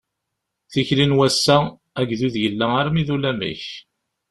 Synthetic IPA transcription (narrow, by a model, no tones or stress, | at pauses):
θiçlinwæsːæ | æɡðuðjəlːæaɾmiðulæmḭç